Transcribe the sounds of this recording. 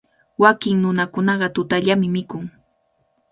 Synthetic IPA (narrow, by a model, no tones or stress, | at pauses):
wakɪŋnʊnakʊnɑɢɑt̪ʊt̪aʎamɪmɪkʊŋ